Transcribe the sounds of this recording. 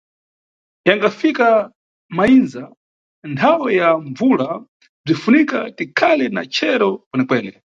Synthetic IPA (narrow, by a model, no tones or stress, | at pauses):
jaŋɡafika | mainza | ntʰawɛjaɱvula | b͡ʐifunikatikʰalɛna̰t͡ʃʰɛɾɔkwɛnɛkwɛːnɛ